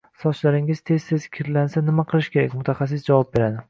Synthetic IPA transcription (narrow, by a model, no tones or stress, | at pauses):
sɒt͡ʃlaɾɪŋɪzt̪ʰe̞z̥sezkʲʰɪɾlansanɪmaqʰɨlˠɪʃkʲe̞ɾa̰kʲmʊt̪ʰaχɑs̬ɪsd͡ʒavɒp̚be̞ɾad̪ɪ